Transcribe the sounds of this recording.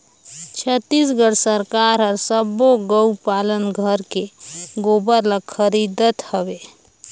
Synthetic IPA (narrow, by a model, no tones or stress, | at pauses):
t͡ʃʰət̪ːisɡəɽsəɾkaɾɦəɾsəboɡəupalənɡʱəɾkeɡobəɾlakʰəɾid̪ət̪həbe